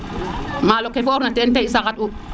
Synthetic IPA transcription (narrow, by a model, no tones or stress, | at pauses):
malokɛfɔɾunatɛntɛisakatu